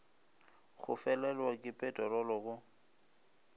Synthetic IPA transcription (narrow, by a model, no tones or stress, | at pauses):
ɣʊ̰fɛlɛlwakʼɪpʼɛtʼɔrɔlɔɣʊ